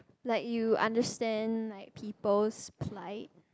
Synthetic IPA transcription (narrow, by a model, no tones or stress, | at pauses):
lɛtjuã̰ndəstɛ̃nlaɪk̚pʰipəlspʰlaɪt̚